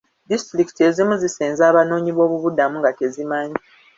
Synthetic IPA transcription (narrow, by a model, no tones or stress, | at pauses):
distɾikite̞zimuziseːnzaːβano̞ːɲiβo̞ːβuβudamuŋɡate̞zimaɲi